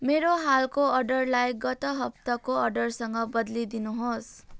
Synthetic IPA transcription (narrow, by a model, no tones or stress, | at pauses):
meɾoɦalkoʌrɖʌrlajɡʌt̪ʌɦʌp̚t̪ʌkoʌrɖʌrsʌŋɡʌbʌd̪lid̪inuɦos